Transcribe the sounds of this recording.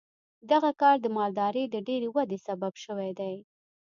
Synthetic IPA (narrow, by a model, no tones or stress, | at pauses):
d̪aɣakɑɾd̪əmɑld̪ɑɾəd̪əɖeɾewad̪esababʃəwajd̪aj